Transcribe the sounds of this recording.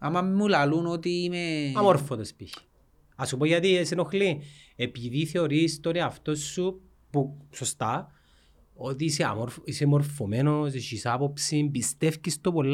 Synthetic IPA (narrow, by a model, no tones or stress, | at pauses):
amɐmmulalunot̪iimeɐmoɾfot̪ospiçi̥ | ɐsupoʝɐt̪iesenoxli | epiðiθeoɾist̪oniɐft̪o̞sːu | pusost̪a | ot̪iseɐ̰moɾfisemoɾfomenos̬eʃisapopsimbist̪efcist̪opolː